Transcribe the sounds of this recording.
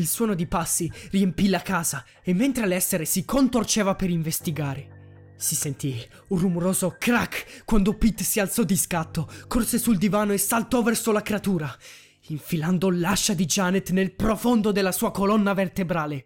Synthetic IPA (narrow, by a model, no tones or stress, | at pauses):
ilswɔːnod̪ipasːiriempilakaːza | emːent̪ɾealɛsːeɾesikʰont̪ort͡ʃeːvapeɾiɱvest̪iɡaːɾe | sisent̪i | urːumoɾoːzokɾakːkwand̪opit̪ːsialt̪sɔd̪iskat̪ːokorsesuld̪ivaːnoesːalt̪ɔvɛrsolakɾeat̪uːɾa | iɱfiland̪olaʃːad̪id͡ʒanet̪nelpɾofond̪od̪elːasuːakolɔnːavert̪ebɾaːle